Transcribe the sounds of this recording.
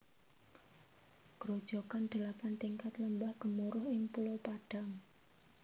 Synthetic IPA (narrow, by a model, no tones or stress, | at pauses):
kəɾod̥ʒ̥ɔkand̪̥ə̤lapant̪iŋkat̪ləmbahɡ̥əmuɾʊhɪŋpulopaɖ̥a̤ŋ